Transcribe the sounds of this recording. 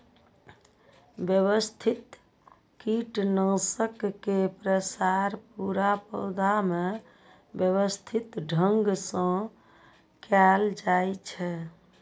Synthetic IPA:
bjəβəst̪ʰit̪ | kiʈnə̃səkːepɾəsaɾpuɾapə̰wd̪ame | bjəβəst̪ʰit̪ɖʱəŋɡsə̃ | kɛld͡ʒajt͡ʃʰɛ

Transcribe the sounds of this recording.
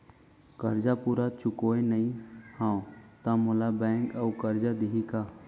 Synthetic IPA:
kəɾd͡ʒapuɾat͡ʃʊkoenəĩhãwt̪ãmolabɛŋkəukəɾd͡ʒad̪iɦika

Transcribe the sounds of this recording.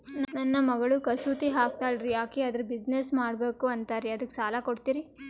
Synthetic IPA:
nnɐnːɐmɐɡɐɭukɐsuːt̪iɦaːk̚t̪aːjɖɾijaːkeɐd̪ɐɾubid͡ʒnesmaːɽbeːkuɐnt̪aːɾiɐd̪ɐkːsaːlakoɽt̪iːɾi

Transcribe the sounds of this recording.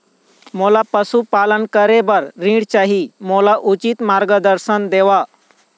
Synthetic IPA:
molapəsupalənkəɾebəɾːĩɽt͡ɕaɦimolaʔut͡ɕit̪maɾɡəd̪əɾsənd̪eʋa

